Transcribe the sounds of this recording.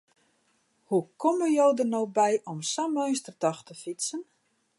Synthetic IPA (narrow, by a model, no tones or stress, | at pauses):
hukʰoməjowdərnowbɛjʔɔmsamœɥnstərtɔxtəfitsən